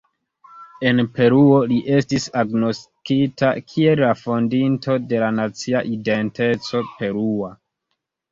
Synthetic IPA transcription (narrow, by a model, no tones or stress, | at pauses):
e̞npe̞ɾuo̞liʔe̞stisaɡno̞stkita̰kʰie̞lːafondinto̞de̞lanat͡siaʔide̞nte̞t͡so̞pe̞ɾua